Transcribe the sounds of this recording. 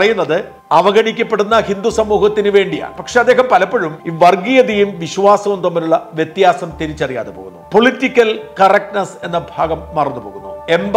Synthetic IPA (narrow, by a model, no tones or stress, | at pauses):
rɐjunːɐðɨ | ɐʋɐɡɐɳikʲːɐpːe̞ɽunːɐhind̪usɐmːuːhɐt̪ːinɨʋe̞ːɳɖija̰ːɳɨpɐkʂe̞ɐd̪ːe̞ːɦɐmpɐlɐpːoɻumiʋɐrɡijɐðijumʋiɕʋaːsɐʋumt̪omːɐɾuɭːɐʋjet̪jaːsɐmt̪iɾit͡ɕːɐrija̰ːðepoːɣunːupo̞ɭitːikʲːɐlkɐrɐk̚ʈnɐse̞nːɐbʱaːɡɐmːɐrɐnːupo̞ːɣunːue̞mb